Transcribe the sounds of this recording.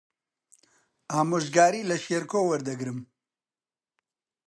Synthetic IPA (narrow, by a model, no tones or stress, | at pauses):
aːmoʒɡaːɾiːlɐʃeɾkoːwɐɾd̪ɐɡɾɨm